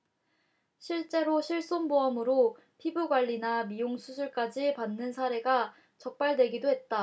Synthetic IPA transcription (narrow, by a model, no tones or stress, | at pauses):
ɕʰiɭt͡ɕ͈e̞ɾoɕʰiɭs͈onboʌmɯɾo | pʰibuɡwaʎːinamijoŋsʰusʰuɭk͈ad͡ʑipanːɯnsʰaɾe̞ɡa | t͡ɕʌk̚p͈aɭdwe̞ɡidoɦe̞t̚t͈a